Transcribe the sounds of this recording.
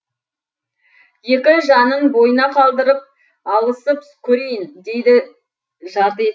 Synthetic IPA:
je̞kʲɪʒɑnənbo̞jənɑqʰɑlˠd̪əɾəp̚ | ɑlˠəsəp | kʲʰɵɾe̞jɪnd̪e̞jd̪ɪ | ʒɑɾt̪əe

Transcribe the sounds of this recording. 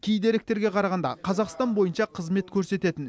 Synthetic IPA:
kʲʰejd̪e̞ɾɪk̚t̪e̞ɾɡʲe̞qʰɑɾɑʁɑnd̪ɑ̰qʰɑzɑqst̪ɑnbo̞jənʃɑqʰəzme̞t̪kʲʰɵɾse̞t̪e̞t̪ɪn

